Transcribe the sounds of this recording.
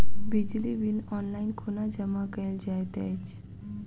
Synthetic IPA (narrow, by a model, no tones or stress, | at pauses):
bid͡ʑlibilɔnlainkʰonad͡ʑəmakəld͡ʑajt̪ɛt͡ɕ